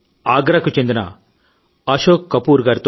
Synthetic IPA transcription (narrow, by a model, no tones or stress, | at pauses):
aːɡɾɐkut͡ʃend̪ɐnɐ̰ | ɐʃoːkːɐpuːɾɡaːɾit̪o